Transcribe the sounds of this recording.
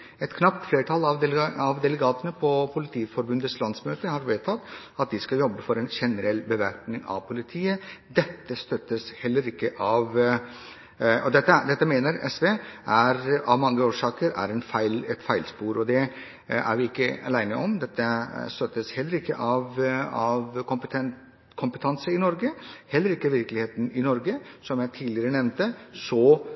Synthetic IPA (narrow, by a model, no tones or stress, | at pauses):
ɛt̪kʰnɑpt̪fleːɾəʈʰɑlɑʋ̪ɑʋd̪ɛləɡɑːt̪ənəpʰɔpʰʊlɪt̪ʰiːfɔɾbʉnd̪ət̪slɑnd̪smøːt̪əhɑɾʋeːt̪ʰɑt̪ː | ɑt̪̚d̪ɪskɑjɔbːəfɔɾɛnʃɛnəɾɛlːbəʋæɾpnɪŋɑ̰ʋpʰʊlɪt̪ʰiːəd̪ɛt̪ːəst̪œt̪ːəshɛlːəɾɪkːəʔɑʋ | ɔd̪ɛt̪ːəd̪ɛt̪ːəmeːnəɾɛ̰sʋeːʔæɾɑʋmɑŋːəoːʂɑːkəɾæ̰ɾɛnfæɪlɛt̪fæɪlspuːɾɔd̪ɛ | æ̰ɾʋɪɪkːəɑ̰læɪnəʔɔmd̪ɛt̪ːəst̪œt̪ːəshɛlːəɾɪkːə̰ʔɑʋɑʋkʰɔpət̪ʰɛ | kʰɔmpət̪ʰɑnsəɪnɔɾɡəhɛlːəɾɪkːəʋɪɾklɪheːt̪n̩ɪnɔɾɡəsɔmjæɪt̪ʰiːd̪lɪəɾənɛʋnt̪əsɔ